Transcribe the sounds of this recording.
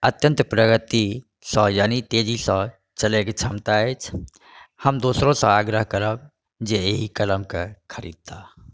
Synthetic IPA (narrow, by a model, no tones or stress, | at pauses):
ət̪jə̃nt̪pɾəɡət̪i | sə̃jaːnit̪ed͡ʒisə̃ | t͡ʃəleket͡ʃʰəmt̪aɛt͡ʃʰ | həmd̪oːsɾõsə̃aɡɾəɦkəɾəb̚ | d͡ʒeeɦikələmkekʰəɾḭd̪̚t̪a